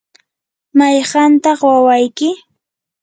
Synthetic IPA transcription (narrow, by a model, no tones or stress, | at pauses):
majɢɑnt̪ɑχwawajkɪ